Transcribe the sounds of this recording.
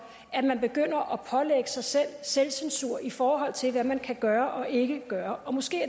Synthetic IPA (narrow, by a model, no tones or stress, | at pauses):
æ̥mænb̥e̝ɡ̥øn̰ɐʔɒ̽pʰɒ̽leɡ̥əsɑ̈ɪsel̰selsensuɐ̰ifɒːɦɒ̽l̰t͡sʰe̝lʋæmænkʰæɡ̥ɶːɐʔɒ̽ʔe̝ɡ̥əɡ̥ɶːɐʔɒ̽mɒ̽sɡ̥e̝̰ː